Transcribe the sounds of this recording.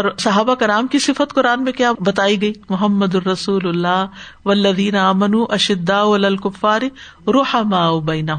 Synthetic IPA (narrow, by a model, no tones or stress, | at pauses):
ɔːɾsɐɦaːbakɐɾaːmkisɪfət̪kʊɾaːnmẽkjaːbɐt̪aːiɡɐiːmʊɦɐmːɐd̪ʊɾɐsuːlʊlːaː | ʋɐlːɐðiːnɐaːmɐnuːʔɐʃɪd̪ːaːɐlaːlkʊfːaːɾɪɾʊħamaːʊbɐɪnɐɦʊ